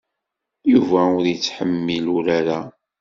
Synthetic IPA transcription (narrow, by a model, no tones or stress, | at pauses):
juvæʊɾjət͡sːħəmːilʊɾaɾa